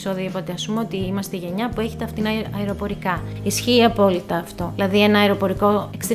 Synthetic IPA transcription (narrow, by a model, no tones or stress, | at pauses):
soðipo̞t̪eɐsumeo̞t̪iimɐst̪eʝe̞ɲɐpue̞çet̪eɐft̪inɐɐeɾo̞po̞ɾikɐ | isçiːɐpo̞lit̪ɐːft̪o̞ilɐðie̞nɐːeɾo̞po̞ɾiko̞eksi